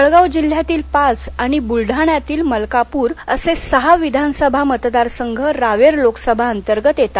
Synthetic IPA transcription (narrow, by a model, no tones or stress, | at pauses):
əɭɡawd͡ʑil̤ːjat̪iːlpat͡saɽ̃ibulɖʱaɳjat̪iːlməlkapuːɾəsesəɦaʋid̪ʱansəbʱamət̪d̪aɾsəŋɡʱəɾaʋeɾloksəbʱaənt̪əɾɡət̪jet̪a